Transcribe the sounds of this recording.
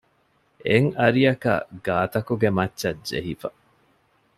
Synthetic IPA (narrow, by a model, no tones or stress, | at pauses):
eŋɐɾijɐkɐ̰ɡaːt̪ɐkuɡemɐtːʃɐd͡ʒḛɦifɐ